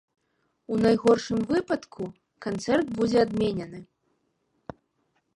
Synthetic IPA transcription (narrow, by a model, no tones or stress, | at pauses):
unajɣɔrʂɨmvɨpɐt̪kʰu | kant̪sɛrd̪bud͡zʲɛad̪mʲenʲɐnɨ